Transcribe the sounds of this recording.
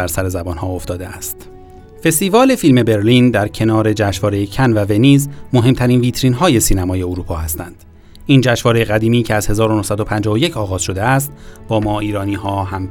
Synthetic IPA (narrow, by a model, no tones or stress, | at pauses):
æɾsæɾe̞zæbɒːnhɒːoft̪ɒːd̪eæst̪ | fe̞st̪iːvɒːle̞filme̞be̞ɾliːnd̪æɾcʰe̞nɒːɾe̞d͡ʒæːʃvɒːɾe̞jecʰænvæve̞niːzmo̞ɦe̞mt̪ʰæɾiːnviːt̪ʰɾiːnɦɒːje̞siːnæmɒːje̞oɾuːpʰɒːhæst̪ænd̪̥ | iːnd͡ʒæːʃvɒːɾe̞jeɣæd̪iːmiːcʰeæzhe̞zɒːɾo̞no̞hsæd̪opʰænd͡ʒɒːoje̞cʰɒːɣɒːz̥ʃo̞d̪eæst̪̚b̥ɒːmɒːiːɾɒːniːɦɒːɦæm